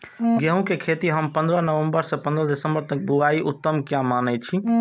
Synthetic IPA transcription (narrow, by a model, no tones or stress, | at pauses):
ɡeɦũkekʰet̪iɦəmpə̃nd̪ɾənəʋəmbəɾsẽpə̃nd̪ɾəd̪ɪsəmbəɾt̪ək̚buaiʔut̪ːəmkjãmanɛt͡ʃʰi